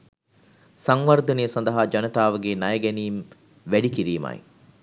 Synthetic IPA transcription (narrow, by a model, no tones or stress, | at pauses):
sɐŋʋɐɾd̪ɐnejːsɐnd̪ɐɦaːd͡ʒɐnɐt̪aːʋəɡeːnɐjɐɡɛniːm | ʋæɖikiɾiːmɐ̰j̰